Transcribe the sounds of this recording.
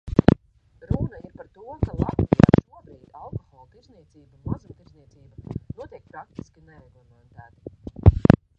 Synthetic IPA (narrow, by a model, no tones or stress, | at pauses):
ɾunaiɾpaɾt̪uɔkalˠa̰t̪vija̰ːʃuɔbɾiːd̪̥alˠkɔxɔːlˠt̪iɾzniɛt̪siːbamuzamt̪iɾzniɛb̪tsiːbanuɔt̪iɛk̚pɾak̚t̪i̥skʲinɛɾɛɡɔlmɛnt̪æːt̪i̥